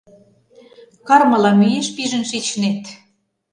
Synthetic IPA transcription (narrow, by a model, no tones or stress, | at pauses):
kɑrmɤ̆lɑmyjeʃpiʒə̆nʃit͡ɕnet̪